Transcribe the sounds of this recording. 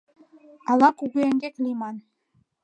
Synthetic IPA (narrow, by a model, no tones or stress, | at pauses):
ɑlˠɑkuɡeeŋɡʲeklʲimɑn